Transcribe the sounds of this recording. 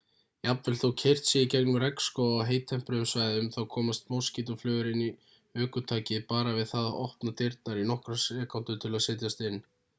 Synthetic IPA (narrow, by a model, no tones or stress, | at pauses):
japvɛlθowcʰɛjr̥t̪sjɛicɛknʏɾɛkskɔaɣɦejt̪ʰːɛm̥pɾʏʏmsvajðʏmθawkʰɔːmast̪mowscit̪ʏflœːɣʏɾɪni | œːkʏt̪ʰaːcɪpaːɾavɪðθaðɔ̰hpnat̪ɪɾt̪naɾinɔhkɾasɛːkawnt̪ʏt̪ʰɪlaðsɪːt̪̬jast̪ɪnː